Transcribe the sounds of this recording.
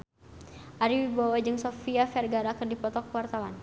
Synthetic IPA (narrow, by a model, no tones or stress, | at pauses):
ʔaɾiwibawad͡ʒɨŋsofiafɛrɡaɾakərdipɔt̪ɔkəwart̪awan